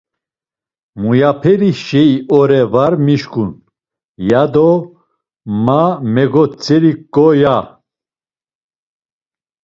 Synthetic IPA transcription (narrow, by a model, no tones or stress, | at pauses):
mujapʰɛɾiʃɛiɔɾɛvaɾmiʃkʼun | jad̪ɔ | mamɛɡɔt͡sʼɛɾikʼːɔja